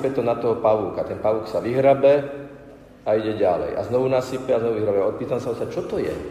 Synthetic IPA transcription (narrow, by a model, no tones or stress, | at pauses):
pɛt̪ɔnat̪ɔɦɔpaʋuːkat̪ɛnpaʋuːksaʋiɦɾabɛ | aiɟɛɟalɛ̰ja̰znɔʋunasipɛaznɔʋuʋiɦɾabɛɔpiːt̪amsaɔsat͡ʃɔt̪ɔjɛ̰